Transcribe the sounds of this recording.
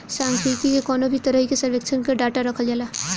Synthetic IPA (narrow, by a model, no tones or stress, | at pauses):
sãːŋkɾiːt̪ikekɔːnobʱit̪əɾəɦikesəɾʋekt͡ʃʰənkəɖaːʈaɾɐkʰəld͡ʒaːla